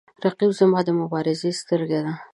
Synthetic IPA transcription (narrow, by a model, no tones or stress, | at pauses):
ɾaqiwzəmɑd̪əmʊbɑɾɪzest̪əɾɡed̪a